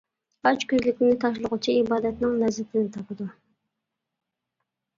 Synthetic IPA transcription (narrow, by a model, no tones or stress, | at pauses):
ɑt͡ʃkʲʰøzlykʲɪnɪt̪ʰɑʃ̬lˠʊʁut͡ʃʰiibɑːd̪ɛt̪nɪŋlɛzɛt̪ʰɪnɪt̪ʰɑpɨd̪u